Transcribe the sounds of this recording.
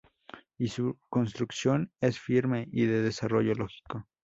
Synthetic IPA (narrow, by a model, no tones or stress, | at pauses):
isuko̞ns̬t̪ɾuksjo̞nesfiɾme̞ʔiðe̞ðe̞saro̞ʝo̞lo̞xi̥ko